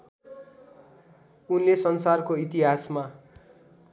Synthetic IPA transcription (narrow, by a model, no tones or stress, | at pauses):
unlesʌnsarkoit̪iɦasma